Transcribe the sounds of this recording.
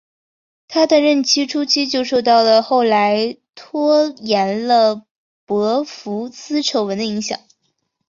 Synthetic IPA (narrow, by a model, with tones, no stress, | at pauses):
t̪ʰa˥d̪ə˨ɻə˥˩nt͡ɕʰi˥ʈ͡ʂʰu˥t͡ɕʰi˥t͡ɕjo˥˧ʊʂo˥˧ʊt̪ɑ˥˩ʊlə˩xo˥˩ʊla˧˥ɪt̪ʰwɔ˥jɛ˧˥nlə˧ | pɤ˧˥fu˧˥t͡sɹ̩˥ʈ͡ʂʰo˧˥ʊwə˧˥nd̪ə˧i˧˥ŋɕjɑ̰˨˩˦ŋ